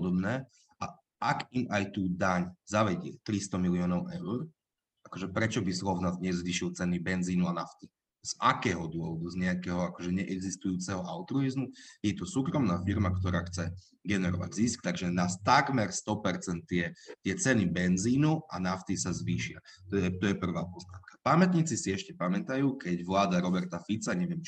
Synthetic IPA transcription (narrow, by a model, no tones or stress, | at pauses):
pɔd̪ɔbnɛː | ʔa̰ | ʔaɡimajt̪uːd̪aɲzaʋɛɟɪɛt̪ɾist̪ɔmilɪɔːnɔʊʔɛʊɾ | ʔakɔʒɛpɾɛt͡ʃɔbisɾɔvnad̪ɲɛzʋiːʃilt͡sɛnibɛnziːnuanaft̪i | z̥ʔakɛːɦɔd̪ʊɔʋɔd̪uzɲɛakɛɦɔakɔʒɛɲɛʔɛɡzist̪ujuːt͡sɛɦɔʔaʊt̪ɾuizmujɛt̪ɔsuːkɾɔmnaːfiɾmakt̪ɔɾaːxt͡sɛ | ɡɛnɛɾɔ̰ʋa̰ɟziskt̪aɡʒɛnaːst̪aɡmɛɾst̪ɔpɛɾt͡sɛnt̪ːɪɛt̪ɪɛt͡sɛnibɛnziːnua̰naft̪isazʋiːʃɪat̪ɔɛt̪ɔjɛpr̩ʋaːpɔzna̰mkḁpamɛt̪ɲiːt͡sisiɛʃcɛpamɛt̪ajuːkɛɟʋlaːd̪aɾɔbɛɾt̪afit͡saɲɛʋɪɛmt͡ʃ